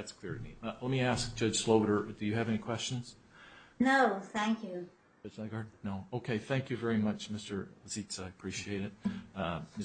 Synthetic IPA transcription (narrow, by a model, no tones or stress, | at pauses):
ðætskʰl̥ɪɹɨmḭlɛt̚miæsk̚d̥ʒ̥ʌd̥ʒ̥sloʊbəɾə˞d̥ɨjɨːvɛnikʰw̥ɛst͡ʃɨ̃nz̥ | noʊθæ̃ŋkjʉ | ʌd͡ʒlaɪɡɑɹdⁿn̩noʊoʊkʰeɪθæ̃ŋkjɨvɛɹimʌt͡ʃmɪstə˞ləsitsaɪɨpʰɹ̥iʃieɪɾɨt̚ | mɪ